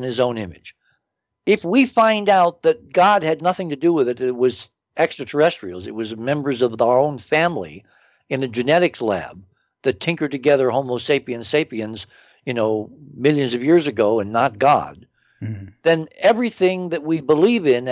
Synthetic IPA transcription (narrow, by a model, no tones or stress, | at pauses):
nɨzõʊ̃nɪ̃mɨ̰d̥d͡ʒ̥ | ɪfwifãɪ̃ndaʊt̪̚ðɨt̚ɡ̥ɑd̚ɨdⁿnʌθɪ̃ŋtɨdəwɪðɨɾɨt̚wʌz | ʔɛkstɹ̥ɨtʰə˞ɛstɹ̥il̩ˠzɨt̚wʌzmɛ̃mbə˞zʌvaə˞õʊ̃nfæ̃mlḭ | ɨ̃nɨd͡ʒɨnɛɾɨkslæ̰b̚ | ðɨtʰɪ̃ŋkə˞d̚tɨɡɛðə˞hõʊ̃moʊseɪpiɨ̃nseɪpiɨ̃nz | jɨnoʊmɪlˠjɨ̃nzʌvjɪɹzɨɡoʊɨ̃nːət̚ɡ̥ɑ̰d̪̚ | ðɨ̃nɛvɹiθɪ̃ŋðɨt̚wibəlivɪ̃n